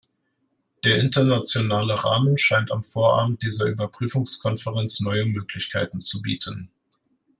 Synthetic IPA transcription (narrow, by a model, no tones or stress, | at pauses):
d̥eːɐʔɪntɐnat͡sjonaːləʁa̰ːmənʃaɪnta̰mfoːɐʔa̰ːbm̩t̚d̥iːzɐʔyːbɐpʁ̥yːfʊŋskʰɔnfəʁɛnt͡snɔʏəmøːkʰlɪçkʰaɪtn̩t͡subḭːtʰən